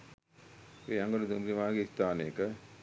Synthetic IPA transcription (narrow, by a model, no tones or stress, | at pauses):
eːjaŋɡolud̪umbɾiʋaːɡeist̪aːnəjəkə